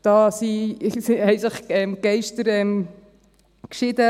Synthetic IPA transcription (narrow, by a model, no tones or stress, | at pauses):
d̥ɑːsisiɛɪɡləχɛmɡ̥ɛɪʃtəɾɛm | kʃɪd̪ə